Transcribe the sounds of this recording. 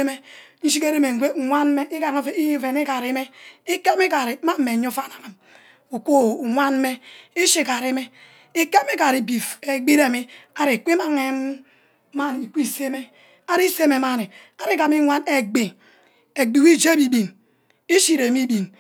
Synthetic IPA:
e˦me˦i˦ʃ̬i˦ke˦ɾe˦me˨ŋ˨ɡʷe˦˨ŋʷa˦nme˦ʔi˦ka˨ŋo˦fe˦i˦fe˨ni˦ka˨ɾi˦me˦i˦ke˦mi˦ka˨ɾi˨˦ma˦m̩ː˦e˨ɲo˦fa˦˨na˨na˨m | u˨kʷo˦˨ŋʷa˦n˦me˦i˦ʃi˦ka˨ɾi˦me˦ | i˦ke˦me˦ka˨ɾi˨bi˨e˨ɡ͡bi˦ɾe˨mi˦a˨ɾi˨kʷi˦ma˦ŋe˦m˦ | ma˦n˨i˨kʷi˦˨se˦me˦ | a˦ɾi˦se˦me˨ma˦˨ni˨a˨ɾi˦ka˨mi˦ŋʷa˦ne˨ɡ͡be˨ | e˨ɡ͡bi˨wi˦d͡ʒe˦bi˨bi˨n | e˦ʃi˦ɾe˨mi˦bi˨n

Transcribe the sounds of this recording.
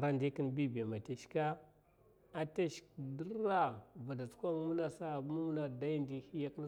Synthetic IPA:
ɾa˦ndi˦ki˦nbi˦ba˨ma˨te˨ʃka˦ | a˨ta˦ʃkdə˦ɾa˦va˨da˨t͡skʷa˦mu˦na˦sa˦˨˦mu˦mu˦na˨da˦jndi˦hi˦ja˦kn˦

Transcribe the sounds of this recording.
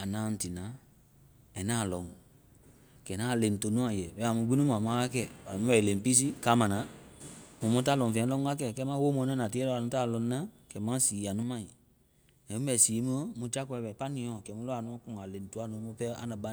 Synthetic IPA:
a˨nãː˨˦˧n̩˨ti˨nã˨˦ | ɛ˨nã˦˨lɔ̃˨ŋ | kɛ˨nãː˦˨le˨n˨to˨˦nũ˦a˨jɛ˨bɛ˨˦a˨mũ˧ɡ͡bi˦nũ˦m˨ã˨mã˨˦a˦kɛ˦˨wa˨i˨ũ˦bɛ˨lẽ˨m˨pi˦s̬i˦kaː˦mã˨nã˨˦ | mũ˨mɔ̃˦t̬aː˦˨lɔ̃˨fɛ̃˨˦lɔ˦ŋ˦a˦kɛ˦˨kɛ˧˦mã˦wo˦mɔ̃˧˦nɛ̃˦nã˨ti˦ɛ˦lɔ˧˨a˨nũ˦taː˦˨lɔ̃˨n˦nã˦kɛ˨mã˦siː˨˦a˨nũ˦mã˦i˨ | ɛ̃˨mũ˦bɛ˨siː˨˦mũ˦o˦mũ˧d͡ʒa˦kɔ˧ɛ˧bɛ˨pa˦nĩ˨˦ɔ̃˨kɛ˨mũ˦lɔ˦a˨nũ˧ɔ̃˦kũ˨ŋa˨le˨n˨tu˦a˦nũ˨˦mũ˧pɛ˦a̰˨˦nã˨ba˦

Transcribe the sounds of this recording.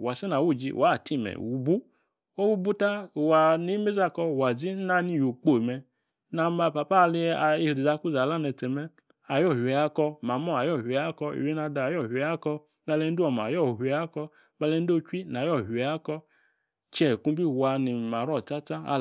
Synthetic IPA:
wa˨sɛ˦na˨wu˦˨d͡ʒḭ˧wa˨˦˨ti˦˨mɛ̰˨wu˧bu˦ | o˦wu˧bu˦ta˦˨wa˧ni˨˦me˦za˧kɔ˧˨wa˨zi˦na˦ni˧˨jo˨k͡po˨mɛ˧ | na˧ma˧pa˧pa˦˧li˧˨i˧ɾi˨za˧ku˦za˨la˦nɛ˧˨tɛ˨mɛ˧ | a˨jɔ˦˨ha˦kɔ˧ma˨mɔ˦˨a˨jɔ˦˨hʷa˦kɔ˧ḭ˨wi˦na˧da˨jɔ˦˨hʷɛ˨˦a˦kɔ˧ | na˧lɛ˧n˦du˦ɔ˨ma˨jɔ˦˨hʷɛ˨a˦kɔ˧ | ba˧lɛ˧n˦do˦t͡ʃʷi˦n˨a˨jɔ˦˨hɛ˨a˦kɔ˧ | t͡ʃɛ˨kũ˧˦bi˦˨wa˧ni˨ma˨ɾɔ˦˨ta˦t͡ʃa˦a̰˧

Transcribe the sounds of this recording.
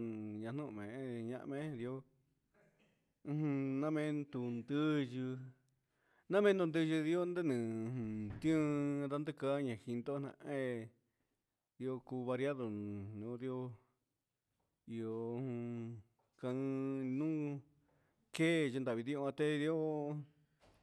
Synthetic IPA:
ɲã˧˨n̥ũ˦ʔmẽ˨˦ɲã̰˧ʔmẽ˧˦˧ði˧o˧ | ɦũ˧nã˦mẽ˧nt̪u˧nd̪ɨ˦ʒɨ˧ | nã˦mẽ˦nd̪u˧nd̪ɨ˧ʒɨ˧ði˧o˦nd̪e˦nɨ̃˨˧hũ˧t̪ĩ˦˧ða˦nd̪ɨ˦ka˦ɲã˨hi˧nd̪o˦nã̰˧ẽ˦ | ði˧o˧ku˧βa˧ɾja˦ðo˨nõ˨˦ði˧o˧ | i˨o˨˧hũ˧ | kã˧nũ˦ | ke˦ʒnd̪a˨βi˧ði˧˦õ˧ã˧t̪e˦˧ði˧˦o˦

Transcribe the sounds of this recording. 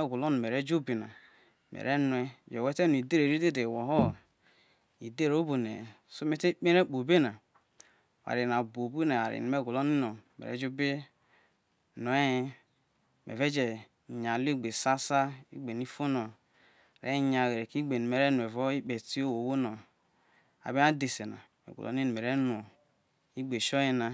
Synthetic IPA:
e˦ɡu˨lo˦nu˨me˨ɾe˦d͡ʒo˦bi˨na̰˨ | mḛ˨ɾe˦n˨e˦˨d͡ʒe˨we˦te˦nu˨i˨de˦ɾe˨ɾi˦de˦de˨wo˨ɦo˦˨ | i˨de˦˨ɾo˦bo˨nḛ˨ | so˦me˦te˦k͡pe˦ɾe˦˨k͡po˨be˦na˨ | wa̰˨ɾi˨na˨bo˨bu˦na˨a˨ɾḭ˨n˨me˦˨ɡu˨lo˦ni˦no˨mḛ˨ḛ˦d͡ʒo˦bi˦ | no˨e˦i˦ | mḛ˨ve˦d͡ʒe˨ | ɲ˨a˨li˦ɡ͡be˨sa˦sa˦ḭ˦ɡ͡be˨ni˦fo˦no˨ | ɾḛ˦˨ɲa˨we˨ɾe˨ki˦ɡ͡be˨nu˨me˨ɾe˦n˨e˨vo˦i˦k͡pe˨ti˦o˦wo˨wo˦no˨ | a̰˨bi˦na˦de˨se˨na̰˨ | ḛ˨ɡṵ˨lo̰˦ni˦nu˨me˨ɾe˦n˨o˨ | i˦ɡ͡be˨ʃo˦ji˦na˨

